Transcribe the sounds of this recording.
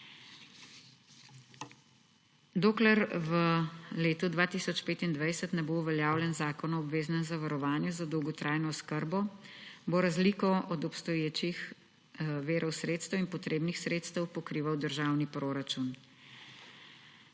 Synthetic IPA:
d̪oːklɛɾʋəleːt̪ud̪ʋaːt̪isɔt͡ʃpeːt̪ind̪ʋajsət̪nɛbouʋɛljaːwljɛnzaːkɔnɔɔbʋeːznɛmzaʋaɾɔʋaːnjuzad̪ɔwɡɔt̪ɾʔaːjnɔskəɾbɔboɾazlikɔʔɔd̪ɔpst̪ɔjeːt͡ʃix | ʋeːɾʔɔwsɾeːt̪st̪əwinpɔt̪ɾeːbnixsɾeːt̪st̪ɛwpɔkɾiːʋawd̪əɾʒaːwnipɾoːɾat͡ʃun

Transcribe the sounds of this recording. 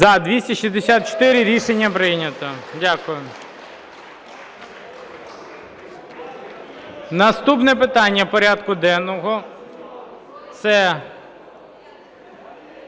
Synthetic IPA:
zɐd̪ʋʲisʲtʲɐʃizd̪esʲat̪̚t͡ʃɔ̥t̪ɪɾʲɪɾʲiʃenʲːɐpɾɪnʲɐt̪ɔdʲakʊjʊ | nɐst̪upnɛpɪt̪ɑnʲːɐpɔɾʲad̪kʊd̪ɛnɔɦɔ | t̪sɛ

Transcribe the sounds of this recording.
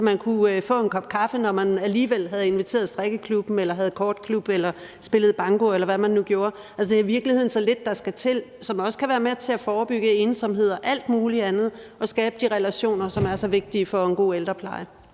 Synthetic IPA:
sɒmænkʰufɔ̰̽ːe̝nkʰɒ̽b̥̚kʰɑ̈fənɒmænæliːʋel̰ɦæð̞̩ˠe̝nʋit͡sʰe̝̰ːɐð̞̩ˠsd̥ʁɛɡ̥əkʰlub̥m̩elɐɦæð̞̩ˠkʰɒːd̥̚kʰlub̥elɐ | sb̥e̝lð̞̩ˠb̥ɑ̈ŋɡ̥o̝elɐʋæmænːuɡ̥jo̝ːɐ | ælsɒd̥e̝ɐiʋiɐɡ̥lihe̝ð̞̰ˠnsɒ̽le̝d̥ːɑ̈sɡ̥æt͡sʰe̝lsɒ̽mɒ̽sə̥kʰæʋæːɐmet͡sʰe̝æfɒːb̥yɡ̥əe̝ːnsɒ̽mɦe̝ð̞̰ˠɐʔæl̰d̥muːliænð̩ˠʔɒ̽sɡ̥ɛːb̥əd̥iʁɛlæɕo̝̰ːnɐsɒ̽mæɐsɒ̽ʋe̝ɡ̥̚d̥ifɒ̽enɡ̥o̝̰ːeld̥ʁɐpʰlɑ̈ɪə

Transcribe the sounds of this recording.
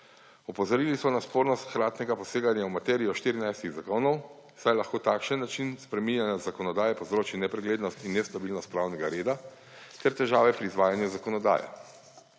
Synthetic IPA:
ɔpɔzɔɾilismɔnaspoːɾnɔst̪xɾaːt̪nɛɡapɔseːɡanjaumat̪ɛːɾiɔʃt̪iɾinajst̪iɣzakoːnɔw | sajlaxkoːt̪aːkʃənːat͡ʃinspɾɛminjanazakɔnɔd̪aːjɛpɔzɾoːt͡ʃinɛpɾɛɡleːd̪nɔst̪inːɛst̪abiːlnɔst̪̚pɾaːwnɛɡaɾeːd̪a | t̪ɛɾt̪ɛʒaːʋɛpɾiːzʋaːjanjuzakɔnɔd̪a̰ːjɛ̰

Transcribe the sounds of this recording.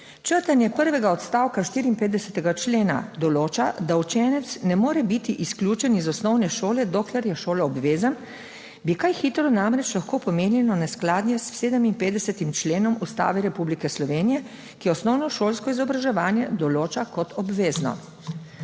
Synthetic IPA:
t͡ʃəɾt̪anjɛpəɾʋɛɡaɔt̪st̪aːwkaʃt̪iːɾiːnpeːt̪d̪ɛsɛt̪ɛɡat͡ʃleːna̰d̪ɔloːt͡ʃad̪aut͡ʃɛːnɛt̪snɛmoːɾɛbit̪iʔiskljuːt͡ʃɛnizɔsnɔwnɛʃoːlɛd̪ɔklɛɾjɛʃoːlɔːbʋeːzən | bikajxit̪ɾɔnamɾɛt͡ʃlaxkoːpɔmeːnjɛnɔnɛsklaːd̪nʲjɛsseːd̪əminpeːt̪d̪ɛsɛt̪imt͡ʃleːnɔmust̪a̰ːʋɛɾɛpublikɛslɔʋeːnijɛ | kiɔsnɔwnɔʃoːlskɔizɔbɾaʒɛʋaːnjɛd̪ɔloːt͡ʃakɔt̪ɔbʋeːznɔ̰

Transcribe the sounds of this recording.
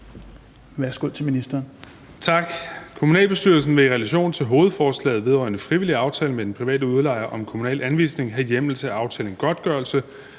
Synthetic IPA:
ʋæɐsɡ̥o̝ð̰ˠt͡sʰeminisd̥ɐːn | t͡sʰɑ̈ɡ̥kʰo̝munɛ̰ːlb̥e̝sd̥yɐ̰l̩sn̩ʋeiʁɛlæɕo̝̰ːnt͡sʰe̝lɦo̝ːð̞̩ˠfɒːslɛ̰ːð̩ˠʋe̝ð̞ˠʁɒɪnəfʁiʋiliɑ̈ʊt͡sʰɛːləmed̥enpʰʁiʋɛ̰ːdəuð̞ˠlɑ̈ɪɐʔɒ̽mkʰo̝munɛ̰ːlænʋḭːsne̝ŋɦæjem̰l̩səæɑ̈ʊt͡sʰɛ̰ːln̩ɡ̥ɒ̽d̥̚ɡ̥ɶɐlsə

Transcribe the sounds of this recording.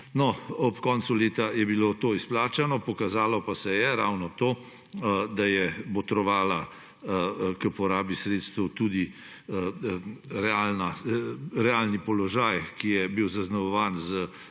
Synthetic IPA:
nɔɔpkɔːnt̪suleːt̪ajɛbiloːt̪oːisplaːt͡ʃanɔpɔkazaːlɔpasɛjɛɾaːwnɔt̪oː | d̪ajɛbɔt̪ɾɔʋaːla | kəpɔɾaːbisɾeːt̪st̪əwt̪ud̪i | ɾɛalna | ɾɛalnipɔlɔʒaːjkijɛbiwzaznaʋɔʋaːnzə

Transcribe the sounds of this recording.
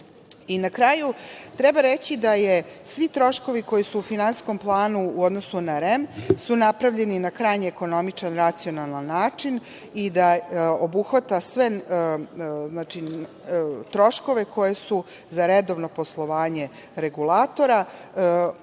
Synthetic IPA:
inakɾaːjut̪ɾɛbaɾet͡ɕid̪aje̞sʋit̪ɾo̞ʃko̞ʋiko̞jisuːfinansko̞mplˠaːnuuod̪no̞sunaɾemsunapɾaʋʎe̞ninakɾajɲeːko̞no̞mit͡ʃanɾat̪sio̞nalˠanːaːt͡ʂin | id̪aobuxʋat̪asʋe | znaːt͡ʃi | t̪ɾo̞ʃko̞ʋe̞kʰo̞jesu | zaɾed̪o̞ʋno̞po̞slˠo̞ʋaːɲe̞ | ɾe̞ɡulaːt̪o̞ɾa

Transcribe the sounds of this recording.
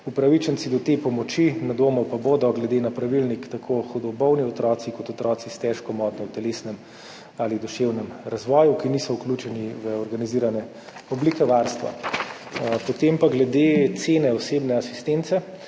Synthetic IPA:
upɾaʋit͡ʃənt̪sid̪ɔt̪epɔmɔt͡ʃinad̪oːmɔpaboːd̪ɔɡlɛd̪eːnapɾaʋilnikt̪akʰoxɔd̪ɔbɔwniɔt̪ɾɔːt̪sikɔt̪ɔt̪ɾɔːt̪sist̪ɛʃkɔmɔːt̪nɔwt̪ɛleːsnɛm | alid̪ɔʃewnɛmɾazʋɔːjukinisɔukluːt͡ʃɛniʋəɔɾɡaniziːɾanɛ | ɔblikɛʋaɾst̪ʋa̰ | pot̪empaɡlɛd̪et̪seːnɛɔseːbnɛasi̥st̪ent̪sɛ

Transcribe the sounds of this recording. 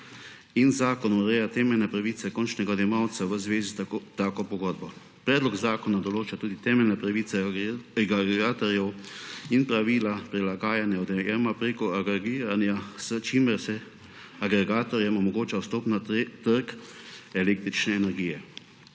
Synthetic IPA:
inzaːkɔnɔɾɛːjat̪ɛːmɛlnɛpɾaʋisɛkɔnt͡ʃnɛɡad̪jɛmawt̪saʋəzʋeːzit̪aːkɔpɔɡɔd̪bɔ | pɾɛːd̪lɔɡzaːkɔnad̪ɔloːt͡ʃat̪uːd̪it̪ɛːmɛlnɛpɾaʋiːt̪sɛɡaɡɾɛɡaːt̪ɔɾjɛwinpɾaʋiːlapɾilaɡaːjanjaɔd̪ɛjɛmapɾeːkɔaɡɾɛɡiːɾanjasət͡ʃiməɾsɛ | aɡɾɛɡaːt̪ɔɾjɛmɔmɔɡoːt͡ʃawst̪oːpnat̪əɾkɛleːk̚t̪ɾit͡ʃnɛːnɛɾɡiːjɛ

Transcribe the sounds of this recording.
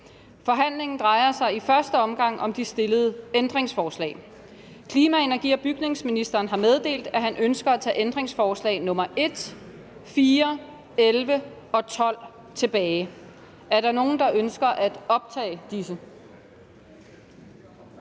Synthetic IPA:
fɒ̽ɦæn̰le̝ŋn̩d̥ʁɑ̈ɪɐsɑ̈ɪifɶɐsd̥əɒ̽mɡ̥ɑ̈ŋ̰ʔɒ̽md̥isd̥e̝ləð̞̩ˠəend̥ʁeŋsfɒːslɛ̰ːɪ | kʰliːmæe̝næɐɡ̥ḭːɒ̽b̥yɡ̥ne̝ŋsminisd̥ɐːnɦɑ̈með̞ˠd̥e̝̰ːld̥æɦænʔønsɡ̥ɐæt͡sʰɛ̰ːʔend̥ʁeŋsfɒːslɛ̰ːɪnɔ̽mɐʔe̝d̥ | fiːɐ | elʋə | ɒ̽t͡sʰɒ̽l̰ | t͡sʰe̝b̥ɛːɪ | æɐɾ̥ɑ̈no̝ːn̩d̥ɑ̈ʔønsɡ̥ɐʔæd̥ɒ̽b̥̚t͡sʰɛ̰ːɪd̥isə

